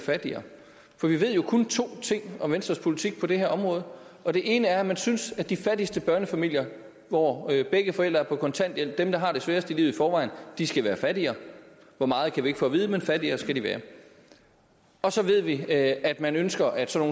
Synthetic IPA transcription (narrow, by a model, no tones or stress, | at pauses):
fæd̥iɐ | fɒ̽ʋiʋe̝ð̞̰ˠjo̝kʰont͡sʰo̝̰ːt͡sʰe̝ŋ̰ɒ̽ʋensd̥ʁɐspʰo̝lit͡sʰiɡ̥̚pʰɒ̽d̥e̝heɐɒ̽mʁɔ̽ːð̞̩ˠ | ʔɒ̽d̥e̝ʔe̝ːnəæɐæmænsynsæ̥d̥ifæd̥isd̥əb̥ɶɐnəfæmil̰jɐ | ʋɒb̥eɡ̥əfɒ̽el̰d̥ʁɐæɐpʰɒ̽kʰɒ̽nt͡sʰæn̰d̥jel̰b̥̚d̥emd̥ɑ̈ɦɑ̈ɾ̥e̝sʋæːɐsd̥əilḭːʊðˠifɒːʋɑ̈ɪnd̥isɡ̥æʋæːɐfæd̥iɐ | ʋɒmɑ̈ːð̞̩ˠkʰæʋie̝ɡ̥fɔ̰ːʋiːð̞ˠəmenfædiɐsɡ̥æɾ̥iʋæ̰ːɐ | ɒ̽sɒ̽ʋe̝ð̞̰ˠʋiæd̥mænønsɡ̥ɐʔæd̥sɒ̽no̝ː